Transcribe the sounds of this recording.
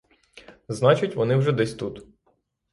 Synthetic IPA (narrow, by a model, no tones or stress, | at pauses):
znɑt͡ʃɪtʲʋɔnɪwʒɛd̪ɛsʲt̪ut̪